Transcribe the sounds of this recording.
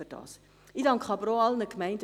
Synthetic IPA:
yd̥ɑ̰ːs | idɑŋkχɑbɾoɑlnəkmɛɪndə

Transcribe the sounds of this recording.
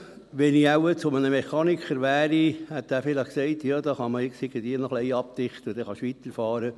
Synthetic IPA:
ʋɛniæwət͡sʊmənəmeχɑːnikχəɾʋæːɾihɛt̪ːæːfɪləχksɛɪt̪jɑːd̪ɑːχɑməɪksɪɡəd̪iːnɔχlɛɪɑp̚t̪ɪχt̪əʊd̥̪ɛχɑʃʋit̪əɾfɑːɾə

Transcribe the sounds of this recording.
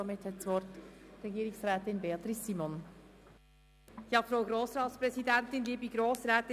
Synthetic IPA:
omɪthɛtsʋɔɾtɾɛɡiːɾɪŋsʁɛːtɪnbeɑt̪ɾɪssiːmon | jɑːfɾaʊɡɾoːsɾɑːtspɾɛzidɛntɪnliːbiɡɾoːsɾɛːt̪ɪ

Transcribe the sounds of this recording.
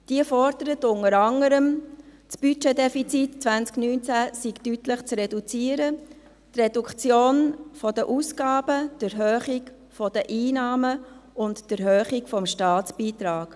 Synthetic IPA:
d̥iəfɔrd̥əɾətʊnəɾɑŋəɾəm | sb̥yt͡ʃedɛfit͡sitt͡sʋænt͡sknynt͡sæsiɡtytləχt͡srɛdut͡siːəɾə | t̪rɛdukt͡sjoːnfɔdəʔusɡ̥ɑːb̥əd̥ɪɾɦøːχik | fɔd̥əʔiːnɑːməʊntd̥əɾhøːχikfɔmʃtɑːtt͡sb̥iːt̪ɾɑːɡ̥

